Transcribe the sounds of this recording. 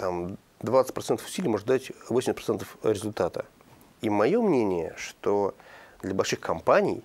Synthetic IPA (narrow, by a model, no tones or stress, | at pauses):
t̪am | d̪vat̪sɨ̥t̚ʲpɾɐt̪ɛnt̪əfʊ̥sʲilʲːjmo̞ʐɨt̪atʲvosʲɪmʲstpɾɐɛnt̪əfɾʲɪzʊlʲt̪at̪ə | imɐjomnʲenʲɪjə̰ʂt̪od̪lʲɐbɐlʲʂɨxkʰɐmpanʲɪ̰j